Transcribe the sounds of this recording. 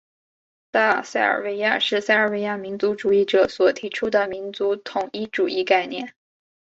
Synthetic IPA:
t̪a˥˩sa˥˩ə̰˞˨˩we˧˥ɪja˥˩ʂɻ̩˥˩˧sa˥˧ɪə˞˨˩we˧˥ɪja˥˩mi˧˥nt͡su˧˥ʈ͡ʂu˨˩i˥˩ʈ͡ʂɤ˨˩˦swɔ˨˩t̪ʰi˧˥ʈ͡ʂʰu˥d̪ə˨mi˧˥nt͡su˧˥t̪ʰʊ˨˩ŋi˥˩ʈ͡ʂu˨˩ʔi˥˧ka˥˧ɪnjɛ̰˥˩n

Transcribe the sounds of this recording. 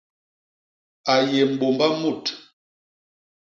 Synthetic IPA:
a˨je˨m̩˨bo˨mba˦mu˦˨t

